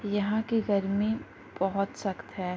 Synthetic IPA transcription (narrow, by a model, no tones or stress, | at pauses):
jɐɦãkiɡɐɾmi | bɐɦʊt̪sɐkt̪ɦɛː